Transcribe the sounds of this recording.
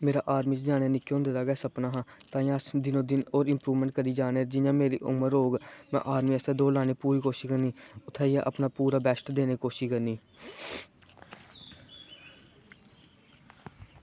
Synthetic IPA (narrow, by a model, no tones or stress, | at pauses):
meːɾaːʔaːɾmiːt͡ʃd͡ʒaːɽaːnɪkːeːɦʊ̃nd̪eːd̪aːɡɛːsəpnaːɦãːt̪ãːãːsd̪ɪnõːd̪ɪnoːɾɪmpɾuːʋmɛ̃ːɳʈ̚kəɾiːd͡ʒaːneːd͡ʒɪjãːmeːɾḭːʔʊ̰məɾoːɡmɛ̰̃ːʔaːɾmiːəst̪eːd̪oːlaːneːpuːɾiːkoːʃiːkəɾniːʊt̪ʰːaːiːa̰ːʔə̰pnaːpuːɾaːbɛːsʈd̪eːniːkoːʃiːkəɾniː